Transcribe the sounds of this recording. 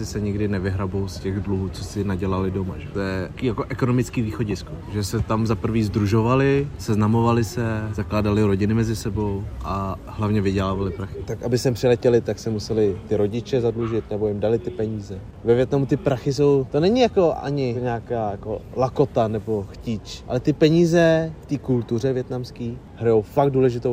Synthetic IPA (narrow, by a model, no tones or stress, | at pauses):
sɪsɛɲɪɡdɪnɛvɪɦɾabowscɛɣdluɦuːt͡sosɪnaɟɛlalɪdo̞maʒɛt̪ojɛkijakoʔɛkonomɪt͡skiːviːxo̞ɟɪskoʒɛsɛt̪amzapr̩viːzd̪ɾuʒovalɪsɛznamovalɪsɛzaklaːdalɪɾo̞ɟɪnɪmɛzɪsɛbo̞wʔaɦlavɲɛvɪɟɛlaːvalɪpɾaxɪt̪akʔabɪsɛmpr̥ɪlɛcɛlɪt̪aksɛmusɛlɪt̪ɪɾo̞ɟɪt͡ʃɛzadluʒɪt̪nɛbo̞jɪmdalɪt̪ɪpɛɲiːzɛ | vɛvjɛt̪namut̪ɪpɾaxɪs̬o̞wt̪o̞nɛɲɪjako̞ʔa̰ɲɪɲaːkaːjako̞lako̞t̪anɛbo̞xcit͡ʃʔa̰lɛt̪ɪpɛɲiːzɛft̪iːkult̪ur̝ɛvjɛt̪namskiː | ɦɾajowfak̚duːlɛʒɪt̪ow